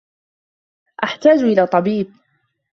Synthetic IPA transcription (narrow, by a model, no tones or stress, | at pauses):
ʔaħt̪aːd͡ʒʔɪlaːt̪ˤɑbiːb̚